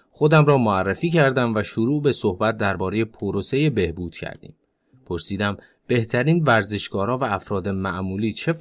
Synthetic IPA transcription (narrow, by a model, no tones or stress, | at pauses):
xo̞d̪æmɾɒːmoærːefiːcʰæɾd̪æmvæʃoɾuːbe̞so̞hbæt̪̚ʰd̪æɾbɒːɾeje̞pʰoɾose̞jebe̞hbuːd̪̥cʰæ̰ɾd̪ḭːm | pʰo̞ɾsiːd̪æm | b̥e̞ht̪ʰæɾiːnvæɾze̞ʃɡɒːɾɒːvæːfɾɒːd̪e̞mæʔmuːliːt͡ʃʰe